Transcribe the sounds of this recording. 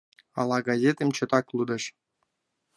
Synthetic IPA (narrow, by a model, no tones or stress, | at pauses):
ɑlˠɑɡɑzʲet̪emt͡ɕɤ̆t̪ɑklˠud̪ɤ̆ʃ